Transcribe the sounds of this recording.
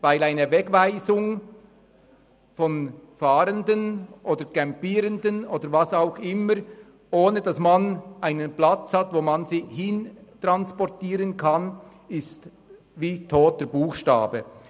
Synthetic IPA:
vaɪlaɪnəvɛkvaɪzʊŋ | fɔnfaːɾəndənʔoːd̥əɾkɛmpiːɾəndənoːdəɾvasaʊxɪməɾ | ʔoːnədɑsmanʔaɪnənplat͡shatvoːmanziːhɪntʁanspɔʁtiːʁənkʰan | ɪst | viːtʰoːt̚dəb̥uːxʃta̰ːbə

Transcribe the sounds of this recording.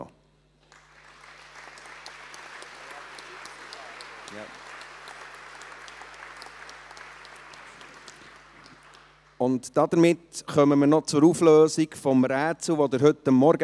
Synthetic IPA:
ʊntd̥ɑd̪əɾmɪtχœməmənɔt͡sʊɾufløːsikfɔmɾæːt͡sl̩ʋod̪əɾɦʏtəmːɔɾɡə

